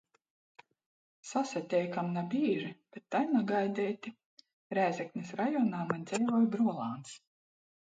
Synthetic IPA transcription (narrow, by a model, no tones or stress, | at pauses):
sasɛt̪ʲɛjkamnabʲiːʒib̥ʲet̪ːajnuɡajd̪ʲɛjt̪ʲi | ɾæːzʲɛknʲisɾajɔnaːmanʲd̪zɛjvɔjbɾuɔlˠaːns